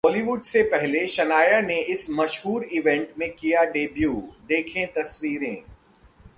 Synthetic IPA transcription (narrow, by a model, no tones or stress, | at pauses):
bɔːliʋʊɖsepɛɦleʃɐnaːjaneɪsmɐʃɦuːɾɪʋɛ̃ɳʈmẽkijaɖeːbjuːd̪eːkʰẽt̪ɐsʋiːɾẽː